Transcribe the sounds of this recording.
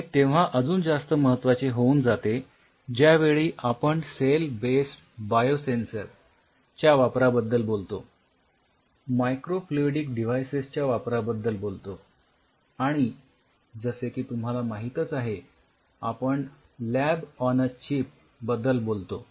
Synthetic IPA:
t̪eʋ̤aʔəd͡zuːnd͡zast̪əməɦət̪ːʋat͡ɕeɦouːnd͡zat̪e | d͡ʑjaʋeɭiːʔapəɳselbesʈ | bajosensəɾ | t͡ɕjaʋapɾabəd̪ːəlbolt̪o | majkɾofloɖikɖiʋ̤ajsest͡ɕjaʋapɾabəd̪ːəlbolt̪o | aɽ̃i | d͡zəsekiːt̪um̤ɦalamaɦit̪ət͡saɦe | a̰pəɳ | læbɔnət͡ɕip̚ | bəd̪ːəlbolt̪o

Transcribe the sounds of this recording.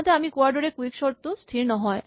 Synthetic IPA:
d̪ʱeamikoaɾɖoɾekuikʃɔɾt̪ost̪ʰiɾnɔɦɔe

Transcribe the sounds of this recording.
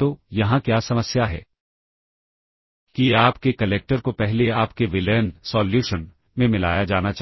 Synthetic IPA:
t̪ojɐɦãkjaːsɐməsjaɦɛ̰ː | kiaːpkekɐleːk̚ʈəɾkopɛɦleaːpkeʋɪlɛːnsɔːljuːʃən | mẽmɪla̰ːjad͡ʒaːnat͡ʃ

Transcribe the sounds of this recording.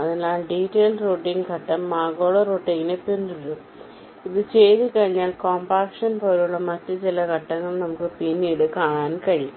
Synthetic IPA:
ɐðinaːlɖitːejlroːʈːiŋɡkɐʈːɐmːaːɡo̞ːɭɐroːʈːiŋɡinepend̪uɾum | iðɨt͡ɕe̞jt̪ɨkɐɻiɲːaːlkoːmbaːkʂɐnpoːlejuɭːɐmɐtːɨt͡ɕilɐkɐʈːɐŋːɐɭnɐmukːɨpinːiɽɨkaːɳaːnkɐɻiju

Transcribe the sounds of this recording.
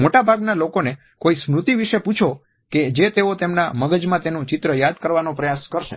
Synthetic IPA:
moʈabʱaɡnalokone | koismɾut̪iʋiʃeput͡ʃʰo | ked͡ʒet̪eot̪emna̰məɡəd͡ʒmãt̪enũt͡ʃɪt̪ɾəjad̪kəɾʋanopɾəjaskəɾʃḛ

